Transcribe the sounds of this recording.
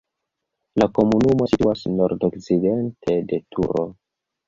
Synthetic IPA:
lako̞munumo̞situasno̞ɾdokt͡side̞nte̞de̞tʰṵɾo̰

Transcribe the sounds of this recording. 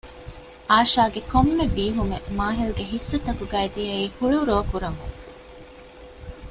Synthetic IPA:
ʔaːʃaːɡekomːebiːɦumemaːɦiluɡeɦisːut̪ɐkuɡæːed̪ijɐiːhuɭuɾoːkuɾɐŋṵŋ

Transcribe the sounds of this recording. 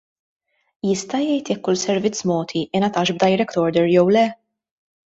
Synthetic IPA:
jɪst̪ɐjɛjt̪jɛkːʊlsɛɾvɪt͡sːmɔːt̪ʰiʔɪnɐt̪ɐːʃb̚d̪ɐjɾɛkt̪ɔɾd̪ɛɾjɔwlɛ

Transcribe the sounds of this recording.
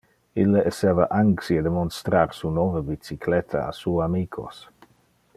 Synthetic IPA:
ilːeʔeseːvaʔaŋksied̪emonst̪ɾaɾsunovəbit͡sikʰlɛt̪ʰa̰a̰suːamiːkʰo̰s

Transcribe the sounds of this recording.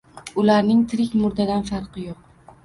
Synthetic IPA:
ʊlaɾnɪŋt̪ʰɪɾɪkʲmʊɾd̪ad̪anfaɾqɨjoq̚

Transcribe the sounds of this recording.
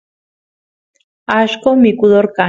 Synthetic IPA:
aʃkomikuðoɾka

